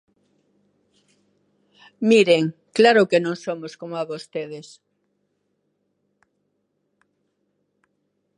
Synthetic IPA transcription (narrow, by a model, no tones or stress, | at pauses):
miɾeŋklaɾʊkenõŋsomoskomoaβost̪eðes